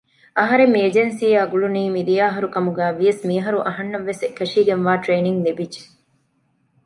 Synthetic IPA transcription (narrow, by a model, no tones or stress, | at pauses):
ɐɦɐɾemːeːd͡ʒensiːaːɡuɭuniːmid̪ijaːɦɐɾukɐmuɡæːʋijɐsmiːɦɐɾuʔɐɦɐnːɐʋːesekːɐʃiːɡenʋaːʈɾeːniŋlebid͡ʒe̥